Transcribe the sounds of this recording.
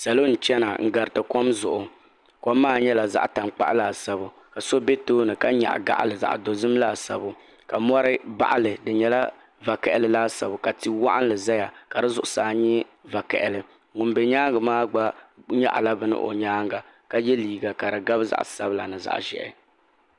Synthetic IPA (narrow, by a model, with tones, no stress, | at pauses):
sa˨lo˦n̩˨t͡ʃɛ˦na˨ŋ̩˦ɡa˨ɾɨ˨tɨ˨ko˦mzʊ˨ʔʊ˨ | ko˦mːaː˦˨ɲɛ˦la˨za̰˦ʔta˨mk͡pa̰˦ʔlaː˦˨sa˦bʊ˨ | ka˨so˦bɛ˦toː˦nɨ˨ka˦ɲa̰˨ʔɡa̰˦ʔa̰˦lɨ˨za̰˨ʔdo˨zɨ˦m˦laː˦˨sa̰˨bʊ˦ | ka˨mɔ˦ɾɨ˦ba̰˦ʔa˦lɨ˨dɨ˨ɲɛ˦la˦ | va˨kɛ˨ʔɪ˨lɨ˦laː˦sa˨bʊ˨ka˨ti˨wa̰˦ʔa˦n˦lɨ˨za˦ja˨ka˨dɨ˦zʊ˨ʔʊ̥˦˨saː˨ɲɛ˦va˨kɛ̰˨ʔɪ˨lɨ˨ | ŋʊ˨nbɛ˨ɲaː˦ŋɡɨ˨maː˦ɡ͡ba˦ɲa̰˦ʔla˦bɨ˨nɨ̰˦ʔo̰˨ɲaː˦ŋɡa˨ | ka˦jɛ˦liː˨ɡa˨ka˨dɨ˨ɡa˦bza̰˦ʔsa˦bɨ˦la̰˨nɨ˨za̰˨ʔʒɛ̰˨ʔɪ̰˨